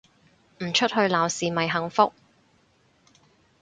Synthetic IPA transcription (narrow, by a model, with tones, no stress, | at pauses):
m̩˨˩t͡ʃʰɵ˥t̚hɵ˧ɥlaː˨˩wsiː˨mɐ˨˩jɦɐ˨˩ŋfʊ˥k̚